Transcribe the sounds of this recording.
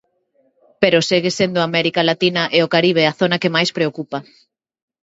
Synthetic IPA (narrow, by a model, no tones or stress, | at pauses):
peɾoseɣesend̪ʊamɛɾikalat̪inɐʔeokaɾiβ̞eaθonɐkemajspɾeokupɐ